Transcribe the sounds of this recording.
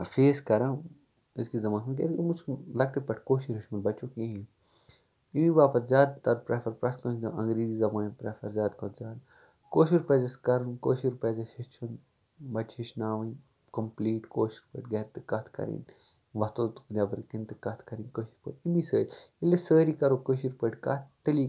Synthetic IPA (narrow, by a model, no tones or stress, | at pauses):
feːskɐɾã | iskizɐmãːnsunkʲḛːt̪mut͡ʃʰlɐk̚ʈipɐʈʰkoːʃiɾiʃmɐɾbɐt͡ʃoːkẽɦi | imiʋaːpɐt̪zʲaːd̪̚t̪ɐd̪pɾɐfɐɾpɾɐskɐ̃ːt͡ʃd̪ɐʔɐ̃ŋɡɾiːzizɐmaːnpɾɐfɐɾzʲaːd̪kʰot̪zʲaːd̪ | koːʃiɾpɐzɐskɐɾɨnkoːʃiɾpɐzɐhit͡ʃʰun | bɐt͡ʃhiʃnaːʋɐn | kɐmpliːʈkoːʃiɾpə̰ʈɡɐɾt̪ɨkɐt̪ʰkɐ̰ɾḭn | ʋɐt̪oːt̪u̥pɨnʲaːbɐɾkint̪ɨkɐt̪ʰkɐɾinkoːʃiɾpə̰ːʈimisə̰ːɾʲ | ilesəːɾikɐɾoːkəːʃiɾpəːʈkɐ̰t̪t̪ɐli